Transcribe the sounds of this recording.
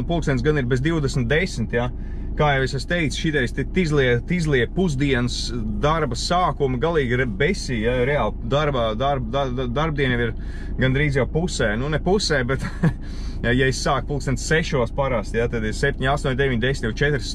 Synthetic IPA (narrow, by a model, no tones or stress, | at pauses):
pulˠksɛnt̪s̬ɡaniɾbɛzd̪iwʊd̪ɛsmt̪̚d̪esmt̪ja | kaːjawesɛst̪eɪkt̪sʃid̪ɛɾst̪it̪izlˠiɛkt̪izlˠiɛpuzd̪iɛns | d̪aɾbɐssaːkumiɡalˠiːɡɾbesiːjaɾɛaːlˠd̪aɾbaːd̪aɾbd̪aad̪aɾbd̪iɛnjɛmiɾ | ɡand̪ɾiːzjawpusɛːnunɛpusɛːbɛt̪ | jajaisːaːk̚pulˠk̚sɛnt̪sseʃuɔspaɾast̪jat̪ad̪iɾsɛp̚ʲt̪ʲiɲast̪uɔɲʲd̪eʋiɲʲd̪esnt̪jat͡ʃɛt̪ɾs